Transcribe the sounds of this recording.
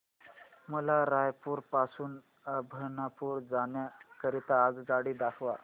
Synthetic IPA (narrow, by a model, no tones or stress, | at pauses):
məlaɾajpuːɾpasuːn | əbʱəɾɳapuːɾd͡zaɳjakəɾit̪aːɡd͡zaɽiːd̪akʰʋa